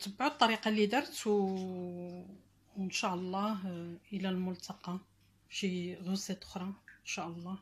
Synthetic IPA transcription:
t̪əbːʕut̪ˤːɑɾiqɑlid̪ɑɾˤt̪w | ənʃæʔlˤːɑhʔəlælmʊlt̪ɑqɑ | ʃiɣʊsːæt̪ʊ̥xɾˤɑənʃæʔəlˤːɑ

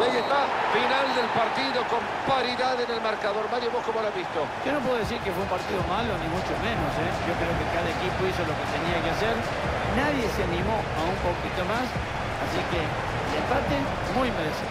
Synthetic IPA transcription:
ajest̪afinald̪elpaɾt̪iðo̞ko̞m | paɾiðaðenelmaɾkaðo̞ɾmaɾjoβo̞skomolazβist̪od͡ʒonop̬weðoesiɾkefweumpaɾt̪iðo̞malo̞nimut͡ʃomẽnoseʝo̞kɾeokekaðaekipoisolo̞ket̪eniakeaseɾ | naðje̞seanĩmo̞ | aumpokit̪omas | asike | lempat̪e | mujmes

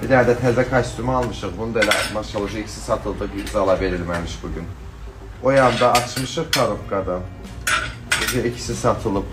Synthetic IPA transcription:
bid̪ænd̪ɛt̪ʰɛzʲd̪ɛkʰat͡ʃ̪t̪ʰymalˠmɯʃɯɾbunud̪alʲamaʃalˠɯd͡ʒɯicʰi̥si̥sat̪ʰɯlˠd̪abizalˠave̞ɾilʲmemiʃbuɟʲyn | ojand̪aːt͡ʃmɯʃɯɾpʰaɾofkʰad̪am | ed͡ʒeicʰi̥sisat̪ʰɯlˠɯp

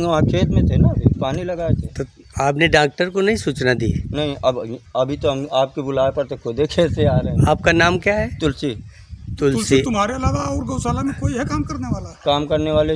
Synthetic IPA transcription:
ʋãːkʰeːt̪mẽt̪ʰenabipaːnilɐɡaːet̪ʰet̪o | aːpneɖaːk̚ʈəɾkonɐɦĩsuːt͡ʃnad̪ḭnɐɦĩʔɐbɐbʱit̪oɦɐmaːp̚kebʊlaːepɐɾt̪ekʰod̪ʱekʰɛːseaːɾɐɦɛ̃aːp̚kanaːmkjaːɦɛːt̪ʊlsi | t̪ʊlsit̪ʊmɦaːɾeɐlaːʋaɔːɾɡɐʊsaːlamẽkoːiɦɛkaːmkɐɾneʋaːlakaːmkɐɾneʋaːle

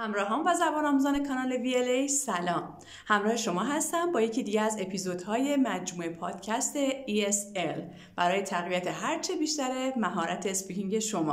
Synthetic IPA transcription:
hæmɾɒːɦɒːmvæzæbɒːnɒːmuzɒːne̞kʰɒnɒːlevielejsælɒːm | hæmɾɒːhe̞ʃo̞mɒːɦæst̪æmbɒːje̞cʰiːd̪iːɟeæze̞pʰizod̪̥hɒːje̞mæd͡ʒmuːe̞pʰɒːd̪̥cʰæst̪e̞iesel | b̥æɾɒːje̞t̪ʰæɣvijæt̪ʰe̞ɦæɾt͡ʃʰebiːʃt̪æɾe̞mæɦɒːɾʔæt̪ʰeːspicʰiŋɟe̞ʃomɒ̰ː

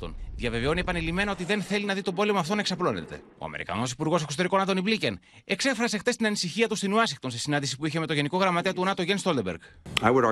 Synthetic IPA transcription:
o̰nðjɐve̞ve̞o̞niepɐnilime̞nɐo̞t̪iðe̞nθe̞linɐðit̪obo̞le̞moɐft̪o̞neksɐplo̞ne̞̰t̪e̞̰o̰ɐ̰meɾḭkɐ̰no̞sipuɾɣo̞sesot̪e̞ɾiko̞nɐt̪o̞niblicen | e̞kse̞fɾɐse̞xt̪est̪inɐnisiçiɐt̪ust̪inuɐsiŋkt̪onsesinɐnd̪isipuiçe̞met̪o̞ʝe̞niko̞ɣɾɐmɐt̪e̞ɐt̪uonɐt̪o̞ʝenst̪o̞ld̪ebeɾɡawʊɾ

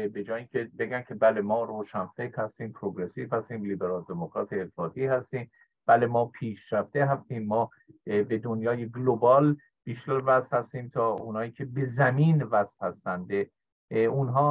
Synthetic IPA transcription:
be̞d͡ʒɒːjiːŋcʰe̞be̞ɡæncʰe̞bælemɒːɾoːʃænfekt̪hæst̪iːmpʰɾoɡɾesiːfhæst̪iːmliːbe̞ɾɒːld̪e̞mokɾɒːt̪ʰeːlɒːt̪ʰiːhæst̪iːm | b̥æle̞mɒːpʰiːʃɾæft̪eɦæst̪iːmːɒː | be̞d̪onjɒːjeɡlobɒːl | b̥iʃt̪æɾvæst̪hæst̪iːmt̪ʰɒːunhɒːjiːcʲʰe̞be̞zæmiːnvæsfhæst̪ænd̪de | unɦɒː

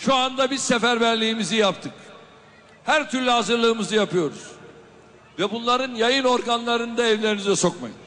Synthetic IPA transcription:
ʃuand̪abizsɛfæɾbællʲijimizijapt̪ʰɯk | hæɾt̪ʰyɾlʲɛɦazɯɾlˠɯːmɯzɯjapʰɯjo̞ɾuz̥ | vɛbunlˠaɾɯnjajɯno̞ɾɡanlˠaɾɯnd̪aɛvlʲe̞ɾinizɛso̞kma̰jɯn

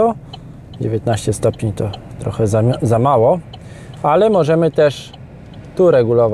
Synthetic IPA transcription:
ɔ | d͡ʑevʲjet̪̚naɕt͡ɕɛst̪ɔpʲɲet̪ɔt̪ɾɔxɛzzamawɔ | alɛmɔʐɛmɘt̪ɛʂ | t̪uɾɛɡulɔv

